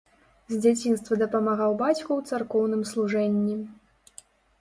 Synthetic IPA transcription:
zʲd͡zʲat͡sʲinst̪vɐd̪ɐpɐmaɣawbat͡sʲkuwt̪sarkɔwn̪ɨmslˠuʐɛnʲːi

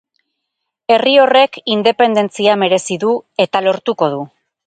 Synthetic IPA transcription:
e̞rio̞re̞kind̪e̞pe̞nd̪e̞nt͡siame̞ɾe̞siðue̞t̪alo̞ɾt̪uko̞ð̞u

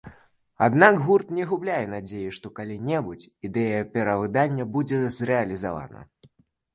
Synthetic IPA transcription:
a̰d̪naɡɣurt̪nʲɛɣublʲajɛnad͡zʲejiʂt̪ɔkalʲinʲɛbut͡sʲid̪ɛjɐpʲɛɾɐvɨd̪anʲːɐbud͡zʲɛzrɛɐlʲizava̰nɐ̰

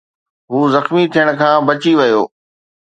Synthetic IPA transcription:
ɦuːzɐxmit̪ʰijəɽ̃̆kʰãːbɐt͡ɕiʋɐjo̰ː

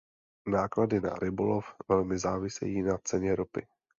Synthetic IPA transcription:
naːkladɪna̰ɾʔɪbolofvɛlmɪzaːvɪsɛ̰jiːnat͡sɛɲɛɾopɪ

